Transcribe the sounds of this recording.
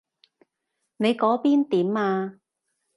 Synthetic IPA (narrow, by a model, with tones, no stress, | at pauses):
ne˨˧jkɔː˨˥piː˥nt̪iː˨˥maː˧